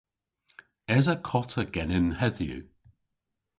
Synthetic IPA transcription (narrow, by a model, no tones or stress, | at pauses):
ɛzəkʰɔtʰəɡ̥ɛnɪnhɛðjṵ